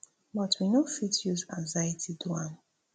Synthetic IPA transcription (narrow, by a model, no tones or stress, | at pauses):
bɔtʰwinofitjuzãŋzajətʰiduãn